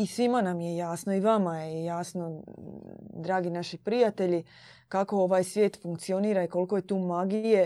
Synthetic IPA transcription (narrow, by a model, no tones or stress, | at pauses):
isʋimanamjejaːsnoiʋamajejaːsno̞ | d̪ɾaːɡinaʃipɾijat̪e̞ʎi | kako̞o̞ʋaːjsʋje̞ːt̪fuŋk̚t̪sio̞niːɾaiko̞lko̞je̞t̪uːmaɡije̞